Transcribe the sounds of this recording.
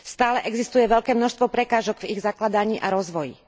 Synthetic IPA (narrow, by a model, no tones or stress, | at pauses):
st̪aːlɛʔɛɡzist̪ujɛʋɛʎkɛːmnɔʃst̪ʋɔpɾɛkaːʒɔɡviɣzaklad̪aɲiːʔaɾɔzʋɔjḭ